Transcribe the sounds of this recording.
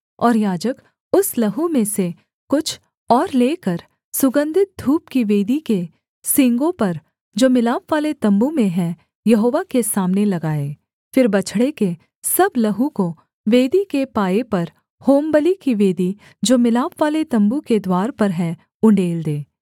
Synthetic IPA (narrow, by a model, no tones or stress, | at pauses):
ɔːɾjaːd͡ʒək | ʊslɐɦũmẽse | kʊt͡ʃʰ | ɔːɾleːkɐɾ | sʊɡə̃nd̪ʱɪt̪̚d̪ʱuːp̚kiʋeːd̪ike | sɪ̃ŋɡõpɐɾ | d͡ʒoːmɪlaːpʋaːlet̪ɐ̃mbumẽɦɛ̃ | jɐɦoːʋakesaːmnelɐɡaːeː | fɪɾbɐt͡ʃʰɽeke | sɐblɐɦũko | ʋeːd̪ikepaːepɐɾ | hoːmbəlikiʋeːd̪i | d͡ʒoːmɪlaːpʋaːlet̪ɐ̃mbuked̪waːɾpɐɾɦɛ̃ | ʊ̃ɳɖeːld̪eː